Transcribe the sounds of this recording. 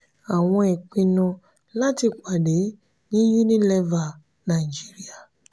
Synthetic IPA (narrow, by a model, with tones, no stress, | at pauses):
a˨ŋɔ̃˦e˨kʷi˦nʊ̃˦ | la˦tɪ˨kʷa˨de˨˦ | nĩ˦ju˦ni˦le˦va˨ | na˨i˨d͡ʒi˦ɾi˦a˨